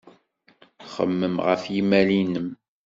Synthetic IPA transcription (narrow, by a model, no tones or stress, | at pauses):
χə̰mːəmʁə̰fjimælinəm